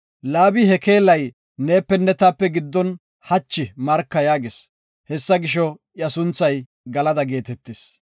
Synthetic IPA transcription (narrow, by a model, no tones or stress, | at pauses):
laːbɪhɛke̞ːlɐj | neːpːɛnːɛt̪aːpːɛɡɪd̪ːɔn | hɐt͡ʃːɪmɐɾkːɐjaːɡes | hɛsːɐɡɪʃɔʔjɐsʊnt͡sːɐj | ɡɐlɐd̪ɐɡe̞ːt̪ɛt̪ːes